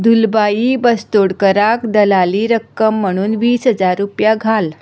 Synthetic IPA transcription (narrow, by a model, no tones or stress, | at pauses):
d̪ulbajiːbəst̪oɽkəɾakd̪əlaliːɾəkːəm̤ːəɽ̃uːnʋiːsɦəd͡zaɾːupjaɡʱal